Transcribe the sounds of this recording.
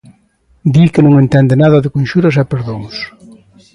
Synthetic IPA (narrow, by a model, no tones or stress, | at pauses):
d̪ikɪnõŋẽnt̪ɛnd̪ɪnaðɐðɪkonʲʃuɾɐsɛpeɾðoŋs